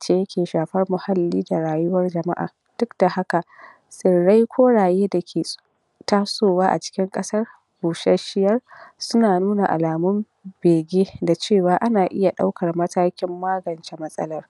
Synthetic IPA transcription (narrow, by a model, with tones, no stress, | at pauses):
t͡ʃeː˦jkʲeː˨ʃaː˨ɸɐ˦rmʊ˨ha˦lːiː˦da˨ɽaː˨jʊ˦wɐ˦rd͡ʒɐ˨ma̰˦ʔa̰ː˨ | d̥ʊ˦kda˨ha˦ka˨ʔ | sɪ˨ɽːa˦jkʷʰoː˦ɽaː˨jeː˦da˨kʲʰeː˨ | taː˦soː˦˨waː˦ʔa̰˨t͡ʃɪ̥˦kʲɪ˦ŋkʼɐ˦sɐ˦r | boː˨ʃɛ˦ʃɪ˦jɐ˦rsʊ˦naː˨nuː˦na˨ʔa̰˨laː˨mʊ˦m | beː˨ɡʲeː˦da˨t͡ʃeː˦˨waː˨˦ʔa˦naː˨ʔɪ˦ja˨ɗa̰˦wkɐ˨rmɐ˦taː˦kʲɪ˦mːaː˦ɡɐ˨nt͡ʃe˦mɐ˦sʼɐ̰˦lɐ˦r